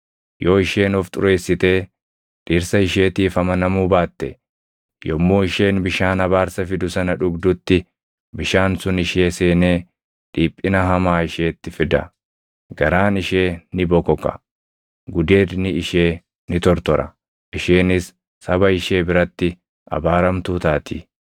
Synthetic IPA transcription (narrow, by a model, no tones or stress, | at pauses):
jʔo̞ːɪʃeːnɔft̪ʼʊɾe̞ːsːɪt̪e̞ː | ᶑiːɾsɐɪʃe̞ːt̪iːfɐmɐnɐmuːbaːt̪ːɛ | jɔmːoːɪʃe̞ːnbɪʃaːnɐβaːɾsɐfɪd̪ʊsɐnɐᶑʊɡd̪ʊt̪ːɪ | bɪʃaːnsʊnɪʃeːseːneː | ᶑiːpʼːɪnɐɦɐmaːɪʃeːt̪ːɪfɪd̪ɐ̰ | ɡɐɾaːnɪʃe̞ːnɪbɔkɔkɐ̰ | ɡʊd̪e̞ːd̪nɪɪʃe̞ː | nɪt̪ɔɾt̪ɔɾɐ | ʔɪʃeːnɪsː | ɐbɐɪʃe̞ːbɪɾɐt̪ːɪ | ʔɐ̰baːɾɐmt̪uːt̪aːt̪ʰi